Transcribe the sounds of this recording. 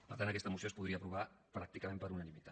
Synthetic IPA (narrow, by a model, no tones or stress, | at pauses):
pəɾt̪antəkɛst̪əmusiospuðɾiəpɾuβ̞a | pɾak̚t̪ikəmẽmpəɾunənimit̪at̪